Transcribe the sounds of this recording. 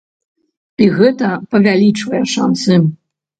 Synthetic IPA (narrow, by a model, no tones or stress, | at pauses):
iɣɛt̪ɐpɐvʲalʲit͡ʂvɐjɛʂansɨ